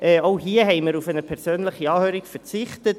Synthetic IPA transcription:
ʔɛːoʊɦiːəɦɛɪməɾufɛnəpʰɛʁsøːnləχiɑːhøːɾikfɛʁt͡sɪχtət

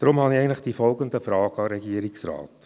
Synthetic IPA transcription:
d̥ɾʊmhɑniɛɪntlɪχd̥iːfɔlɡənd̪əfɾɑːɡ̥əɑɾɛɡiəɾɪksrɑ̰ːt

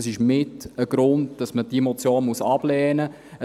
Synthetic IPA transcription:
sɪʃmɪtəɡ̥ɾʊnd̚d̥ɑsməd̥imot͡sjoːnmuəsɑb̥lɛːnə | ə

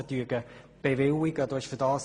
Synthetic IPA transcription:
ətyːəɡə | b̥eʋɪlɪɡəd̪oɪʃfədɑːs

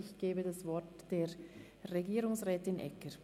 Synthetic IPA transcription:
ɪçɡ̥eːbədasv̥ɔtd̥eːɐ | ʁeɡiːʁʊŋsʁɛːtɪnʔɛ̰kə

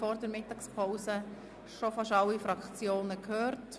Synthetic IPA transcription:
ɔɾdɛɾmɪtːɑkspʰɔwsə | ʃofɑʃɑwːifɾɑkχt͡sjoːnəkʰhøːɾt

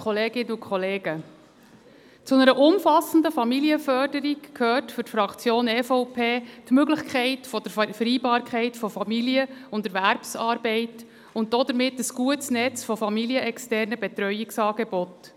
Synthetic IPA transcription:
χɔleːɡ̥ɪnəukχɔleːɡə | t͡sʊnəɾəʔʊmfɑsən̩dəfɑmiliəfœrdəɾikkʰhøːrtfʏɾtfɾɑkt͡sjoːnɛfɔʊpʰeːtmøɡlɪχkʰɛɪtfɔd̥əɾfəɾiːbɑːɾkχɛɪtfɔfɑmiliəʊndɛɾʋæɾpsɑːɾbɛɪt | ʊnt̚d̥od̪əɾmɪtːəsɡ̥uətsnɛt͡sfɔfɑmiliəʔɛkstɛrnəbɛt̪ɾœʏiksɑːɡebɔt

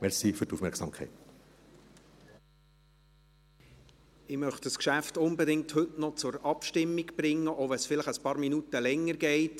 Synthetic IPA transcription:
mɛɾsifyɾtufmɛɾksɑmkʰɛ̰ɪt | ɪmœχtdəskʃæftʊnbɛdɪŋ̚thɵtnɔt͡sʊɾɑpʃtɪmːiɡb̥ɾɪŋːəʔɔvɛnsfɪləχəspɑːɾminutəlɛŋːəɾɡɛɪt

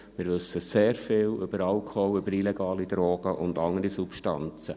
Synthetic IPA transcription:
mɪːɾʋʏsːəseːɾfɪːlʏb̥əɾɑlkʰowʏbəɾileɡ̥ɑːlid̪ɾoːɡ̥əʔʊndɑŋəɾisupʃtɑ̰nt͡sə

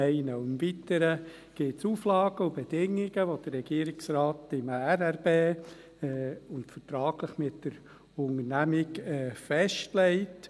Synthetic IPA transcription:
ɛɪnəʊɪmvitəɾə | ɡ̥ɪtsuːflɑːɡ̥əʊbed̥ɪŋːɪɡəʋod̥ərːɛɡ̥iːəɾɪksrɑːtɪmæɾæɾbeː | ʊntfətɾɑːɡ̥ləχmɪtdəɾ | ʊŋəɾnæmɪɡɛːfɛʃtlɛɪt

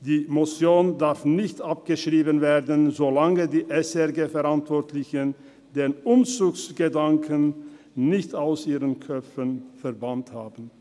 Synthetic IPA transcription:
d̥iːmot͡sjoːndaʁfnɪçtap̚ɡ̥əʃʁ̥iːbənveːɐdənzolaŋədiːʔɛsɛʁɡeːfɛʁantv̥ɔɐtʰlɪçən | deːnʊmt͡suːksɡ̥ədaŋkʰən | nɪçtaʊsiːʁənkʰœp͡fənfɛɐbanthaːbn̩

